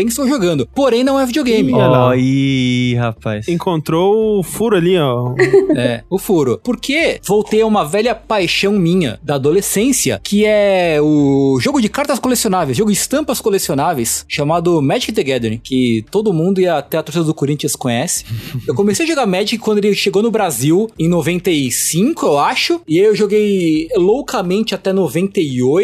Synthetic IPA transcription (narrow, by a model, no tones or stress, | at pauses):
bẽɪst̪owʒoɡɐ̃nd̪ʊpoɾẽj̃nɐ̃w̃ɛvid͡ʒioɡẽj̃mɪ̃ihapajsẽkõnt̪ɾoʊfuɾʊaliɔ | ɛʊfuɾʊpoɾkʰevowt̪ejaũmɐvɛʎɐpajʃɐ̃w̃mĩɲɐ̰d̪ɐːd̪olesẽsiɐ̰kʰɪɛʊʒoɡʊd͡ʒɪkaɾt̪ɐskolesionavejzʒoɡʊd͡ʒɪst̪ɐ̃mpɐskolesionavejsʃamad̪ʊmɛd͡ʒikɪd̪eɡɛd̪eɾkɪt̪od̪ʊmũnd̪ʊiɐt̪ɛɐt̪oɾsid̪ɐd̪ʊkoɾĩnt͡ʃiɐskõɲɛsɪ̥ewkomesejɐʒoɡaɾmɛd͡ʒɪkɪkwɐ̃nd̪elɪʃeɡownʊbɾaziwẽnovẽnt̪ɐisĩŋkʊewaʃʊɪaiewʒoɡejlowkɐmẽnt͡ʃɪat̪ɛnovẽnt̪ɐioj